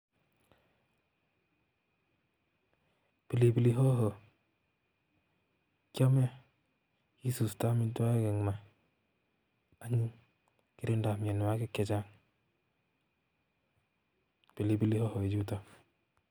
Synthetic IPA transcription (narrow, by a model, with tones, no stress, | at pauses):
pi˨li˨bi˦li˦ɦo˦ɦo˨ | kja˦mɛ˦ | ki˦su˨sta˦mi˦da˦ɡɛ˨ŋ˨ma˨ | a˨˦ɲi˦ | ki˦ɾi˦nda˨mi˨ɛ˨n˨wa˦kɪ˦kɛ˨d͡ʒa˦ŋ | pi˨li˨bi˦li˦ho˦ho˨e˨d͡ʒu˦tɔ˨